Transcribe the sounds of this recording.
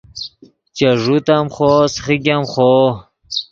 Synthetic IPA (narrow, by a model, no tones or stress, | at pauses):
t͡ɕɐʐut̪amχosχiɡʲamχo